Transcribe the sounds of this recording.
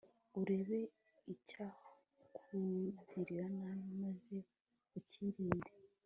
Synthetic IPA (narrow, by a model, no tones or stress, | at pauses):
uɾe̞βe̞ | icah | kʰudiɾiɾananimaze̞ | uciɾiːnde